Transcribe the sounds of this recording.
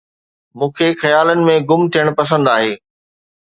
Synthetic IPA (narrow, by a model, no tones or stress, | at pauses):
mũːkʰexɐjaːlənɪ̆mẽɡʊmt̪ʰijəɽ̃pɐs̬ə̃nd̪aːɦeː